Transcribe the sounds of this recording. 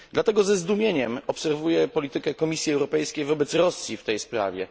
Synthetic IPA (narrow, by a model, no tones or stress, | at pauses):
d̪lat̪ɛɡɔzɛzd̪umʲjeɲɛmɔpsɛɾvujɛpɔlʲit̪ɘkɛkɔmʲisʲjiɛwɾɔpɛjskʲejvɔbɛt̪sɾɔsʲjift̪ɛjspɾa̰vʲɛ̰